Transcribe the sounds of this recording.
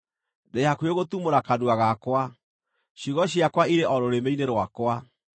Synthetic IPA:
dejakweɣot̪umoɾakaduaɣakwa | ɕiɣɔɕiakwaiɾeʔɔɾoɾemeineɾwakwa

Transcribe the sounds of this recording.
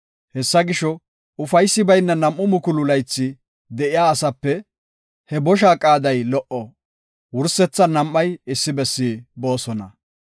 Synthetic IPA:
hɛsːɐɡɪʃɔ | ʊfɐjsːɪbɐjnːɐnɐmʔːʊmʊkʊlʊlɐjt͡sːɪ | d̪ɛʔɪjaːsɐpːɛ | hɛbɔʃ̬aːkʼaːd̪ɐjlɔʔɔ | wʊɾsɛt͡sːɐnɐmːɐjɪsːɪbɛsːiːbo̞ːsɔnɐ̰

